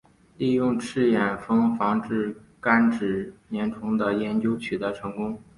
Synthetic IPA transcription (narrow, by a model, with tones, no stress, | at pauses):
li˥˧jʊ˥˧ŋʈ͡ʂʰɻ̩˥˩jɛ˨˩nfɤ˥ŋfɑ˧˥ŋʈ͡ʂɻ̩˥˩ | ka˥nʈ͡ʂɻ̩˨˩njɛ˧˥nʈ͡ʂʰʊ˧˥ŋd̪ə˧jɛ˧˥nt͡ɕjo˥ʊt͡ɕʰy˨˩t̪ɤ˧˥ʈ͡ʂʰɤ˧˥ŋkʊ˥ŋ